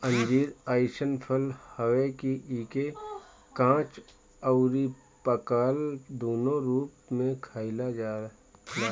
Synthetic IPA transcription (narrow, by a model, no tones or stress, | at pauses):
ə̃nd͡ʒiːɾaːɪʃənpʰəlhəwekiʔiːke | kãːt͡ʃ | əʊɾi | pəkaːld̪oːnoɾuːpmẽkʰaːɪlad͡ʒaː | laː